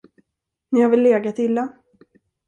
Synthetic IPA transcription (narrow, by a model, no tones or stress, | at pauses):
nɪhaɾvɪlːeːɡat̪ɪlːa